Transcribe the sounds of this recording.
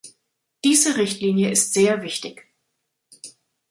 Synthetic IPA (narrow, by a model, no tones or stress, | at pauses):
d̥iːzəʁɪçtliːnjəɪstz̥eːɐvɪçtɪç